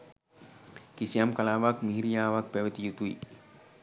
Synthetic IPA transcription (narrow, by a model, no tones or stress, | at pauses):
kisijamkalaːʋakmiɦiɾijaːʋak̚pɛʋet̪ijut̪uḭ